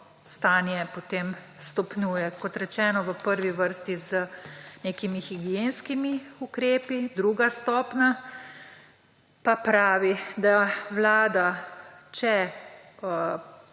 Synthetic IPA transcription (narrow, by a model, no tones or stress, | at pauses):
st̪aːnjɛpot̪eːm | st̪ɔpnʲjuːjɛkɔt̪ɾɛt͡ʃɛːnɔʋəpəɾʋiʋəɾst̪izəneːkimixiɡijenskimiukɾeːpid̪ɾuːɡast̪ɔːpna | papɾaːʋid̪aʋlaːd̪at͡ʃɛ